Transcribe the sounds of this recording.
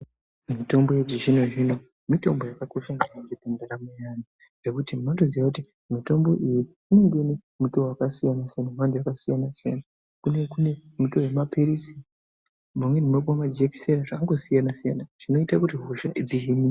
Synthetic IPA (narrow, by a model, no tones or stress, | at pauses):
mito̞mbojed͡ʒiʐinoʐino̞ | mito̞mbo̞jakakuʃaniat͡ʃipendaɾamujana | ʐ̥e̞kutimantozijakuti | mito̞mbo̞ʔiji | ine̞ŋɡene | muto̞wakasijanasijanamantʰujakasijanasija̰na | kunekune̞mutowe̞mapeɾisi | mumwe̞nimekamad͡ʒeki̥seɾaʐakaŋɡo̞sijanasijanaʐ̥ino̞itakutiɦoʃaʔid͡ziɦini